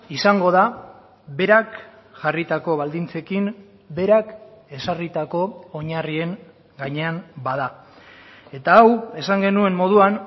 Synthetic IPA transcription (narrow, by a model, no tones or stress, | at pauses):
isaŋɡo̞ð̞a | βe̞ɾak | ʝarit̪ako̞βald̪int͡se̞kim | be̞ɾak | e̞sarit̪ako̞ːɲarie̞ŋ | ɡaɲe̞anbaða | e̞t̪aːwe̞saŋɡe̞nue̞mːo̞ð̞uan